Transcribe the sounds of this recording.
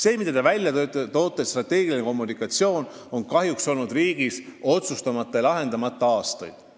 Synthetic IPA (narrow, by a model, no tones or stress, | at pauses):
se̞ːmid̪ɑd̪ɑvælʲjɑt̪o̞ːt̪ːˑesst̪rɑt̪ːe̞ːɡ̥ilineko̞mːunikːˑɑt̪sio̞ːn | o̞nkɑɦjukso̞lnud̪̥riːɡ̥iso̞t̪sust̪ɑmɑt̪ˑːɑjɑlɑɦe̞nd̪̥ɑmɑt̪ːˑɑɑːst̪ɑ̰jd̪̥